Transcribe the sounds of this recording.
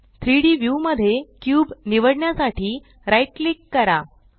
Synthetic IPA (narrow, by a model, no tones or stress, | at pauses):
t̪ʰɾiɽiːʋjuməd̪ʱːjekjuːbniʋəɽɳjasaʈiː | ɾajʈ̚likːəɾa